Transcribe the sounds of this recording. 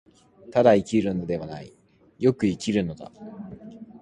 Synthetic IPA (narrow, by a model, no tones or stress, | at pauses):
t̪ad̪aikʲiɾɯ̟no̞d̪e̞βanai | jo̞kɯ̟ikʲiɾɯ̟no̞d̪a̰